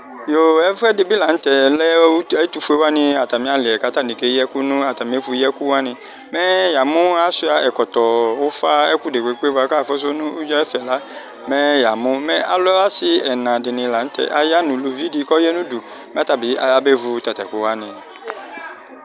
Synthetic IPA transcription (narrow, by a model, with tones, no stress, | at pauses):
jo˨ɛ˨vɛ˦dɪ˨bi˦la˨n̩˦t̪ɛ˨lɛ˦ɛ˦t̪u˦fu˦e˦wa˦nɪ̃˨a˨t̪a˨mĩ˦a˨lɪ˨ɛ˨ka˦t̪a˦˨nĩ˨ke˨˦ɛ˦ku˦nũ˦a˨t̪a˨mĩ˨˦e˦fu˦ɛ˦ku˦wa˦nɪ̃˨ | mɛ˦ja˨mʊ̃˦a˦su˦a˨ʔɛ˨kɔ˨t̪ɔ˨wo˦fa˦ɛ˦ku˦de˨k͡pe˨˦k͡pe˦va˦ka˦˨fɔ˦s̬o˦nũ˦u˦d͡ʒɔ˦ɛ˦fɛ˨la˦ | mɛ˦ja˨mʊ̃˦mɛ˦ʔa˨lɔ˦a˦sɪ˨ɛ˨nã˨dɪ˨nɪ̃˨la˨n̩˦t̪ɛ̰˨ʔa˨ja˦nũ˨lo˨vi˦di˨˦kɔ˦jɛ˦nũ˦du˨ | mɛ̃˦t̪a˨bi˨˦a˨ja˦be˦vu˨˦t̪a˨t̪a˨ku˨˦wa˦nɪ̃˨